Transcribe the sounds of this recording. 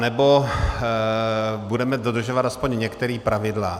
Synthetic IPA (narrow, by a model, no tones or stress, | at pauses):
nɛbo̞ | budɛmɛdod̪r̩ʒovat̪aspoɲɲɛkt̪ɛɾiːpɾavɪdla